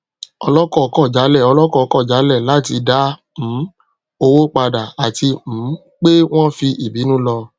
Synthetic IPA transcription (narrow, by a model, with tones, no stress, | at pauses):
ɔ˧lɔ˦kɔ˦˨˧kɔ˦˨d͡ʒa˨˦lɛ˦˨ɔ˧lɔ˦kɔ˦˨˧kɔ˦˨d͡ʒa˨˦lɛ˦˨la˨˦ti˧da˦ | m̩̃˨˦ | o˧wo˦k͡pa˧da˨a˨ti˧m̩̃˨˦ | k͡pe˦w̃ɔ̃˦fi˧ʔi˨bi˨˦nũ˦lɔ˧